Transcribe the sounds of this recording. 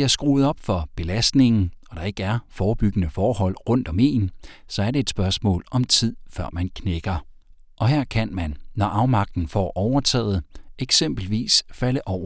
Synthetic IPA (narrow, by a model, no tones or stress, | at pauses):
iɐsɡ̥ʁuːð̩ˠɒ̽b̥fɒ̽b̥e̝læsd̥ne̝ŋn̩ɒ̽d̥ɑ̈e̝ɡ̥əæɐfɒːb̥yɡ̥ənəfɒːɦɒ̽l̰ʁɔ̽n̰d̥ɒ̽me̝̰ːnsɒ̽æɐɾe̝ed̥sb̥ɶɐsmɔ̰̽ːlɒ̽mt͡sʰið̰ˠfɶɐ̰mænkʰneɡ̥ɐ | ʔɒ̽ɦeɐ̰kʰænmænːɒʔɑ̈ʊmɑ̈ɡ̥̚d̥n̩fɒ̰ːʔɒʊɐt͡sʰɛ̰ːð̞̩ˠeɡ̥sem̰b̥l̩ʋḭːsfæləʔɒʊ̰ɐ